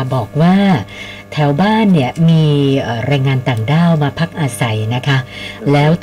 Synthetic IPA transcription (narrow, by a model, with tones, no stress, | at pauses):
bɔː˨˩k̚waː˥˩ | t̪ʰɛː˩˦wbaː˥˩nːi˥˩ɐmiː˧ʔaː˨˩ɾaː˧jŋaː˧nt̪aː˨˩ŋdaː˥˩wmaː˧pʰa˦˥k̚ʔaː˧sa˨˩˦jna˦˥kʰa˦˥lɛː˦˥w